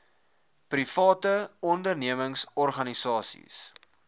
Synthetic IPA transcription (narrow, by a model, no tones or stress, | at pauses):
prifɑːtəɔndərniəməŋsɔrχɐnisɑːsḭs